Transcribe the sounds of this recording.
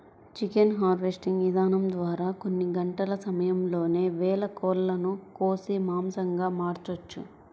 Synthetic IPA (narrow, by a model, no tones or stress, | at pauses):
t͡ʃikenɦaːɾʋesʈiŋɡʋid̪ʱaːnɐmd̪ʋaːɾaːko̞nːiɡɐɳʈɐlɐsɐmɐjɐmlo̞ːne̞ːʋɛːlɐkɔːlːɐnukoːsimaːmsɐŋɡaːmaːɾt͡ʃot͡ʃːṵ